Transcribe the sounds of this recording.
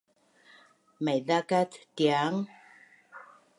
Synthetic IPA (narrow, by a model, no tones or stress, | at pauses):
mɛjðakat̪t̪jaŋ